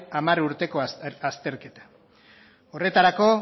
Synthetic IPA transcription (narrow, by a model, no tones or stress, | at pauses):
amaruɾt̪e̞ko̞ast̪e̞ɾke̞t̪ḁ | o̞re̞t̪aɾako̞